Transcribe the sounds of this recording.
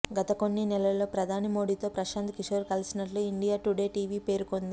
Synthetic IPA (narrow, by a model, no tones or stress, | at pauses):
ɡɐt̪ɐko̞nːinɛlɐlːo̞ːpɾɐd̪ʱaːnimo̞ːɽiːt̪o̞ːpɾɐʃaːnt̪ʰkiʂoːɾkɐlisinɐʈluiɳɖijaːʈuɽe̞ːʈiːʋiːpe̞ːɾukond̪i